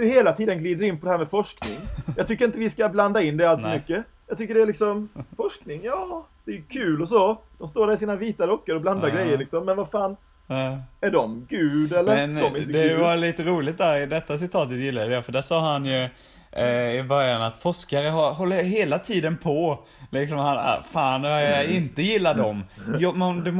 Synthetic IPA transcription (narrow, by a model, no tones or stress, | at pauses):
ɵheːlat̪ʰiːd̪ənɡliːd̪əɾɪnːpʰɔd̪ɛhæːmɛfɔʂknɪŋjɑːt̪ʰʏkːəɾɪnt̪əvɪskabland̪aɪnːd̪ɛalt̪fɔmʏkːə | jɑːɡt̪ʏkːəɖɛælɪksɔmfɔʂknɪŋjɑːd̪̥ɛːjɵkʰʉ̟ːlɔsɔd̪̥ɔmst̪oːɖæːɾɪsiːnaviːt̪aɾɔkːəɾɔbland̪aɾɡɾɛjːəɾɭlɪksɔmːɛnvafaːn | æɖɔmɡʉ̟ːd̪ɛlːəɛnd̪ɔmɪt̪ːd̪ɛvaliːt̪əɾuːlɪt̪̚d̪æɾɪd̪ɛt̪ːas̬ɪt̪ʰɑːt̪ət̪jɪlːadafəɖæʂɑːɦanjɵ | ɪbœɾjanat̪fɔʂkaɾəɦaɾɦɔlːəɦeːlat̪ʰiːd̪ənpʰɔ | lɪksɔmhan̰faːnvajjaɪnt̪əjɪlːad̪ɔmjɔmd̪ɛ